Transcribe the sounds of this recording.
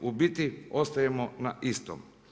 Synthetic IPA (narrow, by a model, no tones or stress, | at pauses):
ubit̪iost̪ajemonaʔist̪o̰m